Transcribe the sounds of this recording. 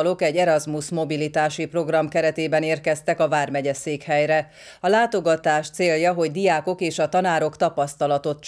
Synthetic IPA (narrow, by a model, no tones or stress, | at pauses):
lo̞kɛɟːɛɾɒzmusmo̞bilit̪aːʃipro̞ɡrɒmkɛɾɛt̪eːbɛneːrkɛst̪ɛkɒvaːrmɛɟɛseːkhɛjɾɛ | ɒlaːt̪o̞ɡɒt̪aːʃt̪seːljɒɦo̞ɟd̪ijaːko̞keːʃɒt̪ɒnaːɾo̞kt̪ɒpɒst̪ɒlɒt̪o̞t̪t͡ʃ